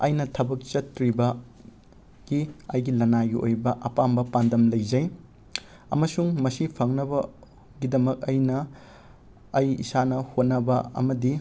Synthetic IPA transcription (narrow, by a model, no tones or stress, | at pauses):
ɐjnɐtʰɐbɐk̚t͡ʃɐtɾibɐ | ɡ̥iɐjɡilɐnaɡio̰jbɐʔɐpambɐpandɐmlɐjzɐj | ɐ̰mɐsuŋmɐsipʰɐŋnɐbɐ | ɡidɐmɐk̚ɐjnɐ | jḭsanɐhot̚nɐbɐɐ̰mɐdi